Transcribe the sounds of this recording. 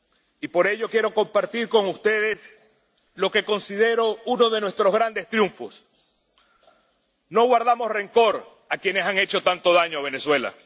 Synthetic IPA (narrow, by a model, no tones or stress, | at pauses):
ipo̞ɾe̞ʝo̞kje̞ɾo̞ko̞mpaɾt̪iɾko̞ŋust̪e̞ð̞e̞s | lo̞ke̞ko̞nsiðe̞ɾo̞uno̞ðe̞nwe̞st̪ɾo̞zɣɾand̪e̞st̪ɾjuɱfo̞s | no̞ɣwaɾðamo̞sre̞ŋko̞ɾ | akje̞ne̞saŋe̞t͡ʃo̞t̪ant̪o̞ðaɲoaβ̞e̞ne̞swe̞la̰